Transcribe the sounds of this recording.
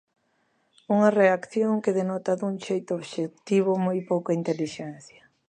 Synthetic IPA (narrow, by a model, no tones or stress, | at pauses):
uŋɐreakθjoŋkɪðenɔt̪ɐðuŋʃejt̪ʊoβʃek̚t̪iβʊmojpowkaint̪eliʃɛn̟θjɐ